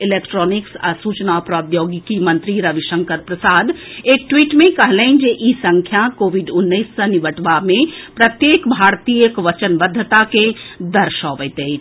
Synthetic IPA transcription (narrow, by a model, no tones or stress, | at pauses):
ɪlekʈɾɔːnɪksa̰suːt͡ʃnapɾɔːd̪joːɡikimɐ̃nt̪ɾiɾəʋiʃə̃ŋkəɾpɾəsaːd̪eːk̚ʈwiːʈmẽkəɦləɪnd͡ʒeʔisə̃ŋkʰjakoːʋiɖʊnːəɪsːəniʋəʈʋamẽpɾɐt̪jeːkbʱaːɾt̪ijəkʋət͡ʃənbəd̪ʱːət̪aked̪əɾʃɔːʋəjt̪e